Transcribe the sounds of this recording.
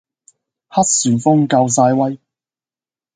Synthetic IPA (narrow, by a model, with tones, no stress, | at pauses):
hɐ˥t̚syː˨˩nfʊ˥ŋkɐ˧wsaː˧jwɐ˥j